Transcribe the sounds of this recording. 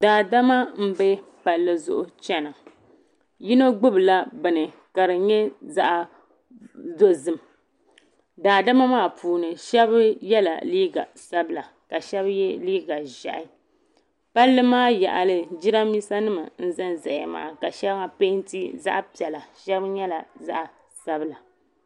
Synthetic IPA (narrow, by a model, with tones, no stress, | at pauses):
daː˨da˦ma˦m̩˦be˦pa˨lːɨ˨zʊ̰˨ʔʊ˨t͡ʃɛ˦na˨ | ji˦no˦ɡ͡bʊ˦bɨ˨la˦bɨ˨nɨ˨ | ka˨ɾɨ˨ɲɛ˦za̰˦ʔ | zo˦zɨ˨m | daː˨da˦ma˦maː˦˨puː˨nɨ˨ʃɛ˦bɨ˦jɛ˦la̰˨liː˦ɡa̰˨sa˦bɨ˦la˨ | ka˨ʃɛ˦bjɛ˦liː˦ɡa˨ʒa̰˨ʔɪ˦ | pa˦lːɨ˦maː˦ja̰˨ʔa˨lɨ˨d͡ʒi˦ɾa˦miː˦sa˦nɨ˦ma˨n̩˦zɨ˦nza˨a̰˨ma̰ː˨˦˨ka˨ʃɛ˦bŋa˨pe˦n˦ti˦za̰˦ʔpi˨ɛ˨la˨ʃɛ˦bɨ˦ɲɛ˦la˨za̰˦ʔa˨ | sa˦bɨ˦˨la˨